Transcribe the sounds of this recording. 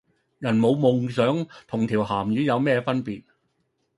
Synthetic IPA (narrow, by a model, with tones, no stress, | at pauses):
jɐ˨˩nmo˨˧wmʊ˨ŋsœː˨˥ŋt̪ʰʊ˨˩ŋt̪ʰiː˨˩wɦaː˨˩mjyː˨˥jɐ˨˧wmɛː˥˧fɐ˥npiː˨t̚